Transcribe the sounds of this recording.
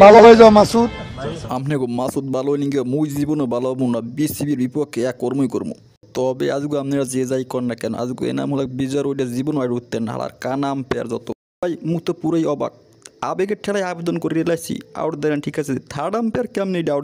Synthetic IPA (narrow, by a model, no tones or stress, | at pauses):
balalojzamasut̪̚amnɛɡumasut̪̚balojniŋɡamujzibonobalabunnabisibiɾbipɔkʰːeɛkːoɾmojko̰ɾmṵ | t̪ɔbḛaziɡuamniɾad͡zezajkɔnːakɛno̰ʔa̰ziɡṵḛna̰mɦolak̚bizaɾojɖiazibonajɖut̪ːenɦa̰la̰ɾkanampɛa̰ɾzɔt̪o | bajmukt̪opuɾajɔba̰k̚ | abeɡeʈʰɛlajabed̪onkoɾiɾelajsʰḭa̰wʈd̪ɛɾanʈʰikasʰeet̪ʰaɖampɛaɾkeamniɖa